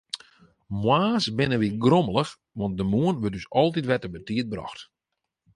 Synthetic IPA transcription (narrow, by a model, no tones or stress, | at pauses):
mwaːsbɪnəʋiɡroməlˠəx | ʋɔnt̚dəmuənʋøtdysɔlˠtitʋɛtəbətiət̚brɔ̰xt